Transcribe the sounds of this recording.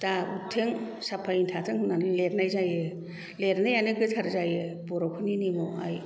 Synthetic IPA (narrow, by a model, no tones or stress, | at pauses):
tautʰːeŋsapʰaintʰatʰɯŋhɯnanleɾnajzajɯ | leɾnajanɯɡɯtʰaɾzajɯbɔɾɔkʰɯninemɔa̰j